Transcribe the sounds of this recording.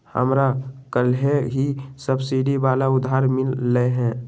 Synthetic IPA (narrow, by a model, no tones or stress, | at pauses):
hə̰mɾakəlɦeɦisəbsiɖibaːlaʊd̪ʱɦaːɾmɪlːəeɦɛ̃ː